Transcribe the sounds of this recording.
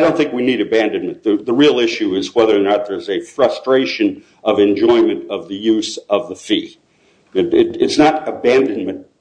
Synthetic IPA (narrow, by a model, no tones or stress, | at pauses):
dõʊ̃nθɪ̃ŋkwiniɾɨbæ̃ndɨ̃nmɨ̃nðɨðəɹilˠɪʃʉɪzwɛðə˞nət̪̚ðə˞zɨfɹʌstɹ̥eɪʃɨ̃n | ʌvɨ̃nd͡ʒɔ̃ɪ̃mɨ̃ntʌvðɨjʉzʌvðəfi | ɨɪɾɨtsnəɾɨbæ̃ndɨ̃nm̃nt̚